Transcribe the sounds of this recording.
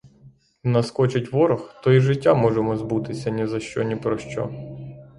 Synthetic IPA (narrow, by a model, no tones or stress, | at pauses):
nɐskɔt͡ʃɪtʲʋɔɾɔxt̪ɔiʒɪtʲːamɔʒemɔzbut̪ɪsʲɐnʲɛzɐʃt͡ʃɔ̰nʲipɾɔʃt͡ʃɔ̰